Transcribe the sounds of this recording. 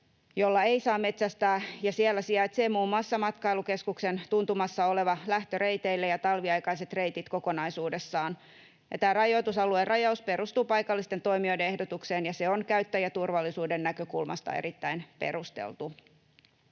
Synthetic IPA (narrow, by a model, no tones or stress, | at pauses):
jo̞lːɑe̞jsɑːme̞t̪sæst̪æːjɑsiælːæsiæt̪seːmuːmːɑsːɑmɑt̪kɑiluke̞skukse̞nt̪unt̪umɑsːɑole̞ʋɑlæht̪øɾe̞it̪eilːejɑt̪ɑlʋiɑjkɑjse̞t̪re̞it̪it̪ko̞ko̞nɑisuːdesːɑːn | jɑ̰t̪æːrɑjo̞jt̪usɑluerʔɑjɑuspe̞ɾust̪uːpɑjkɑlːist̪e̞nt̪o̞jmio̞jdeehdot̪ukse̞ːnjɑse̞onkæyt̪ːæjæt̪urʋɑlːisuːdenːækø̞kulmɑ̰st̪ɑ̰ḛɾit̪ːæinpe̞̰ɾust̪ḛlt̪u